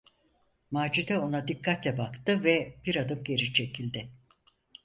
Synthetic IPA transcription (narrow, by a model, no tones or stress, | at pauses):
maːd͡ʒid̪ɛo̞nad̪ikʰːat̪lʲɛbakt̪ɯvɛbiɾad̪ɯmɟe̞ɾit͡ʃʰecʰilʲd̪ɪ